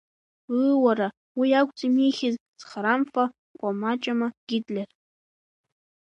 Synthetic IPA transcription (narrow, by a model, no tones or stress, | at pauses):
waɾa | wiakʷʰʼt͡sʼimiχʲɪzz̥χaɾamfa | kʷʼamat͡ʃʼamaɡ̥ʲidlʲer